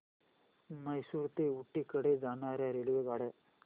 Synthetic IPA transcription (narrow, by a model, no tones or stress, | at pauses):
mɐjsuːɾt̪euʈːikɐɽed͡ʒaːnaːɾeɐɾeluʋeɡaːɽe